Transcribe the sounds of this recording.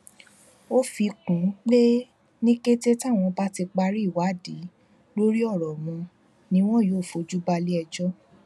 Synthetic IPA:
o˦fi˧kũ˨˦k͡pe˦ | nĩ˦ke˦te˦ta˦˨w̃ɔ̃˧ba˦ti˧k͡pa˧ɾi˦˨wa˨˦˨di˨˦ | lo˦ɾi˦ɔ˦˨ɾɔ˨mɔ̃˧ | nĩ˧˦w̃ɔ̃˦˨joː˦˨fo˧˨d͡ʒu˦ba˧li˦ɛ˧d͡ʒɔ˦

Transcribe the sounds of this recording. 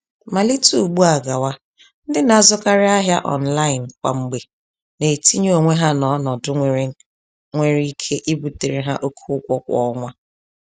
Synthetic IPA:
ma˨li˦tu˦˨ɡ͡bu˦a˨ɡa˨wa˦ | n̩˦dɪ˦na˨a˦˨zʊ˦ka˦ɾɪ˦a˦ɦja˦ʔɔ̰˨n̩˨la˦ɪ˨n̩˨kʷa̰˨ŋ͡m̩˦ɡ͡be˨ | ne˨ti˦ɲ˦o˨ŋʷe˦ɦa˦nɔ˨˦nɔ˨dʊ˦ŋʷe˨ɾe˦ŋ̩˦ | ŋʷe˨ɾi˦i˦kʰe˦ʔi˦bu˨te˨ɾe˨ɦa˦ʔo˦kʰu˦ʊ˦kʷɔ˦kʷɔ̰˦ŋʷa˦

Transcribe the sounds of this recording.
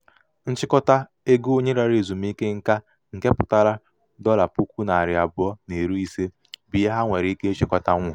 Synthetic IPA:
n̩˦t͡ʃɪ˦kɔ˦ta˦ | e˦ɡu˦o˦ɲe˦ɾa˨ɾe˨zu˨m̩˦i˦ke˦ŋ̩˦ka˦ | ŋ̩˨ke˦pʊ˨ta˦ɾa˦ | dɔ˦la˨pu˦kʷu˦na˨a˨ɾɪ˨a˨bʊ˨˦ɔ˦ne˨ɾu˦i˦se˦ | bi˨e˦ɦa˦ŋʷe˨ɾi˨˦i˦ke˦e˦t͡ʃɪ˦kɔ˦ta˦ŋʷʊ˨

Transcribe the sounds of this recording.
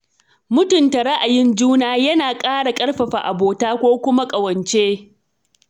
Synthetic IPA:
mʊ˦tʊ˨nta˨ɽa˦ʔa˨jɪ˦nd͡ʒuː˦naː˦jɐ˦naː˨kʼaː˦ɽa˨kʼɐ˦ɽɸɐ˨ɸa˨ʔa˨boː˨taː˦kʷoː˦kʷʊ˦ma˦kʼɐ˨wɐ˨nt͡ʃeː˦

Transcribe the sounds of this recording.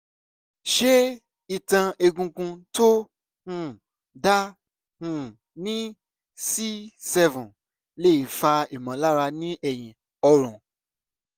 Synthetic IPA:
ʃe˦ | i˨tã˧e˧ɡũ˧kũ˧to˦ | hũ˦˨ | da˦ | hũ˦ | nĩ˦ | si˦sɛ˦vɔ̃˨ | le˦i˨fa˧i˨mã˨la˦ɾa˧nĩ˦ɛ˨j̃ĩ˨ | ɔ˧ɾ̃ɔ̃˨

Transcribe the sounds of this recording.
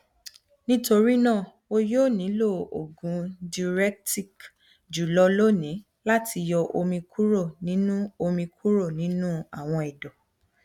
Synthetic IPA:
nĩ˦to˧ɾi˦nãː˦˨ | o˧joː˦˨nĩ˨˦lo˦˨o̰˨ɡũ˨˦di˧ɾɛ˦k̚ti˦˨k | d͡ʒu˨lɔ˧lo˦nĩ˨˦ | la˦ti˧jɔ˧ʔo˧mĩ˧kʰu˦ɾo˦˨nĩ˦nũ˦o˧mĩ˧kʰu˦ɾo˦˨nĩ˦nũ˦a˦˨w̃ɔ̃˧ɛ˨dɔ˨

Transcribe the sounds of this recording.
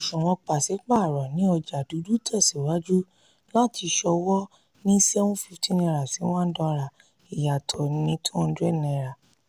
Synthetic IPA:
ʃũ˨wɔ̃˧k͡pa˨sɛ˨˦k͡pa˦˨ɾɔ˨nĩ˨˦ɔ˧d͡ʒa˨du˨˦du˦tʰɔ˦˨si˨wa˨˦d͡ʒu˦ | la˦˨ti˧ʃɔ˧wɔ˦ | nĩ˦sɛ˦wũ˦fi˧˨ti˦nɛ̃˧ɾa˨si˨˦w̃ɔ̃˦n̩˦dɔ̃˧ɾa˨ | i˨ja˨tʰɔ˨nĩ˧˦tʰũ˦˧˦du˦ɛ˦˨nɛ̃˨ɾa˨

